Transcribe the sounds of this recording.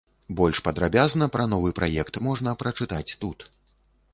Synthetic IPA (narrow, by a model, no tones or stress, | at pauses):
bɔlʲʂpɐd̪ɾabʲaznɐpɾɐnɔvɨpɾʔajɛkt̪mɔʐnɐpɾɐt͡ʂɨt̪at͡sʲt̪ut̪